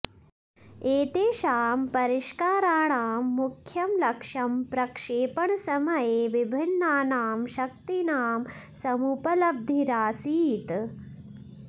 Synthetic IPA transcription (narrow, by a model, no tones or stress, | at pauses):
eːt̪eːʃaːmpɐɾiʃkaːɾaːɳaːmːukʰjɐmlɐkʂɐmpɾɐkʂeːpɐɳɐsɐmɐjeːʋibʱinːaːnaːmʃɐk̚t̪inaːm | sɐmupɐlɐb̚d̪ʱiɾaːsiːt̪